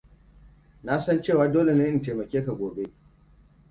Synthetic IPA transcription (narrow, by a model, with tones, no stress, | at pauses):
na˦sɐ˦nt͡ʃeː˦˨waː˨doː˦le˨n˦ʔɪ˦˨teː˨mɐ˨kʲeː˦ka˨ɡʷoː˨be˦ʔ